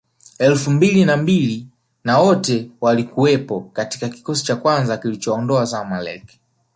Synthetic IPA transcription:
ɛlfumbilinambili | nawɔtɛwalikuwɛpɔkati̥kaki̥kɔsi̥t͡ʃakwanzakilit͡ʃɔːndɔazamalɛ̰k

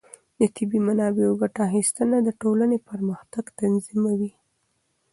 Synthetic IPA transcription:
d̪ət̪ɪbimanɑbeoɡaʈaxist̪ənad̪əʈolanepəɾməxt̪aɡt̪anzimawi

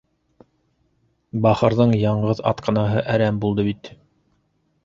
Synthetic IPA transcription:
bɑχɤ̆ɾðɤɴjɑɴʁɤðɑ̰t̪qʰɑ̆nɑɦɤʔæɾæmbulˠd̪ɤβit̪

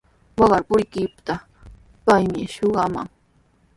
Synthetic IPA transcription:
wɑɢɑɾpʊjkɪpt̪a | pajmɪʃoɢɑma̰ŋ

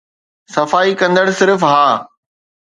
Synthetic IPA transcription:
sɐfaːikɐ̃nd̪əɽsɪɾfɦaː

